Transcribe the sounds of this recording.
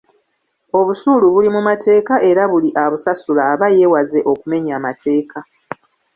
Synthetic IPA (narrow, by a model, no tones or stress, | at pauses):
o̞βusuluβulimumate̞ːkaʔe̞ɾaβuliʔaβusasulaːβaje̞waze̞ʔo̞kume̞ɲaːmatʰe̞ːka